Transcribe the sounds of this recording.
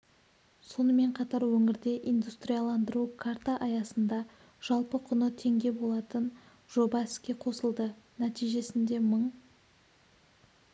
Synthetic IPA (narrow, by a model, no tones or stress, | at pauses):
so̞nəme̞ɴqʰɑt̪ɑɾwɵŋɪɾd̪e̞ʔijnd̪ust̪rijalˠɑnd̪əɾukʰaɾt̪aʔɑjɑsənd̪ɑ | ʒ̥ɑlˠpəqʰʊnət̪ʰe̞ŋɡʲe̞bo̞lˠɑt̪ən | ʒ̥o̞bɑɪskʲe̞qʰo̞səlˠd̪ənæt̪ijʒe̞sɪnd̪e̞məɴ